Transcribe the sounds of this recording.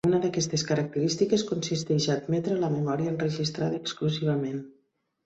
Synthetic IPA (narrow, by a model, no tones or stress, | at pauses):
unəðəkɛst̪eskəɾək̚t̪əɾist̪ikeskunsist̪ɛʒaːd̪mɛt̪ɾələməmɔɾiəːnrəʒist̪ɾaðəːkskluziβ̞əmen